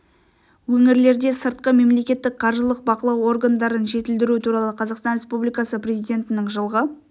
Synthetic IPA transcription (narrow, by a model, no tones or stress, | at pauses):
wɵŋɪɾle̞ɾd̪e̞səɾt̪̚qəme̞mle̞kʲe̞t̪ːɪk̚qʰɑɾʒəlˠəq̚bɑqəlˠɑwo̞rɡand̪ɑɾənʒe̞t̪ɪld̪ɪɾut̪ʰuɾɑlˠəqʰɑzɑqst̪ɑnɾʲe̞spublijkɑsəprʲe̞zijd̪ʲe̞nt̪ɪnɪŋʒəlˠʁə